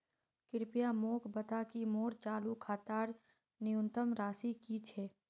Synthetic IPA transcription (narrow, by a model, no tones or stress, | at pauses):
kɪɾpijamoːkbət̪akimoːɾt͡ʃaːlukʰaːt̪aːɾ | nɪjʊ̃nt̪əmɾaːsikit͡ʃʰɛː